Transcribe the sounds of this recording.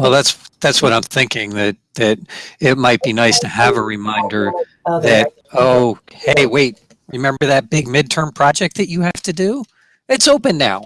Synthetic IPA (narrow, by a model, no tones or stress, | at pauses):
wɛlˠðætsðætswʌɾãɪ̃mθɪ̃ŋkɪ̃ŋðɨt̪̚ðɨɾɪt̚maɪt̚b̥inaɪstʰɨəvəɹɨmãɪ̃ndə˞ | ðɨɾ̚ | oʊheɪweɪt̚ | ɹɨmɛ̃mbə˞ðɨt̚b̥ɪɡ̚mɪd̚tʰɜ̃˞mpʰɹ̥ɑd͡ʒɛk̚t̪̚ðɨt͡ʃɨhæftɨdʉ | ɨtsoʊpɨ̃nːaʊ